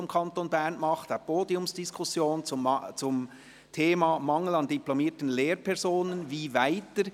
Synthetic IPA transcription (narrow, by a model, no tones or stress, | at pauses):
ʊmkʰɑntonbɛɾnmɑχtapoːdiʊmsd̥iskʰʊsjoːnt͡st͡sʊm | tʰeːmɑːmɑŋəlɑnd̥iplomiːtənleːɾpʰɛʁzoːnənviːvaɪtəɾ